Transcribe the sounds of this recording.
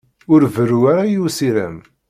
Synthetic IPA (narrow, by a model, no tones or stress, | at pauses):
ʊɾvəruaɾajusiɾæ̰m